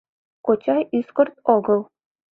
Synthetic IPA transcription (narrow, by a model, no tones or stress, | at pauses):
kot͡ɕɑjiskŏrt̪oɡɤ̆lˠ